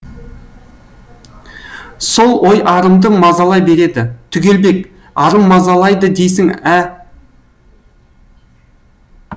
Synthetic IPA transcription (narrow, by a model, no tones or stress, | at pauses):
so̞lˠwʔo̞jɑɾəmd̪əmɑzɑlˠɑjbe̞ɾe̞d̪ɪt̪ʰʏɡʲe̞lbe̞k | ɑɾəmːɑzɑlˠɑjd̪əd̪e̞jsɪŋæ